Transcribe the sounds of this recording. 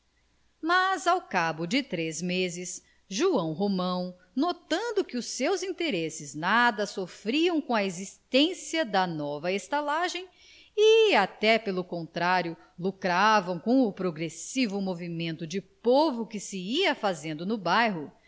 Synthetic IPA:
mazawkabʊd͡ʒɪt̪ɾezmezɪs | ʒuɐ̃w̃ɦomɐ̃w̃ | not̪ɐ̃nd̪ʊkɪʊsewzĩnt̪eɾesɪznad̪ɐsofɾiɐ̃w̃kõɐezist̪ẽsiɐd̪ɐnɔvɐest̪alaʒẽj̃ | ɪat̪ɛpelʊkõnt̪ɾaɾjʊ | lukɾavɐ̃w̃kõw̃ʊpɾoɡɾesivʊmovimẽnt̪ʊd͡ʒɪpovʊkɪsɪiɐfazẽnd̪ʊnʊbajɦʊ

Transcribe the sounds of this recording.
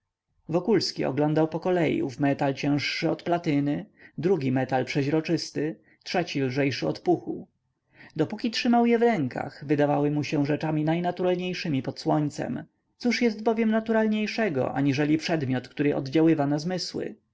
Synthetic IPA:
vɔkulskʲiɔ̰ɡlɔnd̪awpɔkɔlɛjṵvmɛt̪alt͡ɕɛ̃w̃ʂːɘɔt̪plat̪ɘnɘd̪ɾuɡʲimɛt̪alpʂɛʑɾɔt͡ʂɘst̪ɘ | tʂɛt͡ɕilʐɛjʂɘɔ̰t̪puxu | d̪ɔpukʲitʂɘmawjɛvɾɛŋka̰xvɘd̪avawɘmuɕɛ̃ʐɛt͡ʂamʲinajnat̪uɾalɲejʂɘmʲipɔt̪swɔɲt̪sɛ̰m | t̪suʂjɛst̪bɔvʲjɛmnat̪uɾalɲejʂɛɡɔ̰ʔa̰ɲiʐɛlʲipʂɛd̪mʲjɔt̪kt̪uɾɘʔɔ̰d̪d͡ʑawɘvanazmɘswɘ̰

